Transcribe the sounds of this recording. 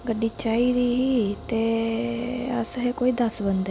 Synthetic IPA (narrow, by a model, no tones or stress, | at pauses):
ɡəɖiːt͡ʃaːiːd̪iːɦiːt̪eː | ə̰sɦeːkoːiːd̪əsbənd̪ɛ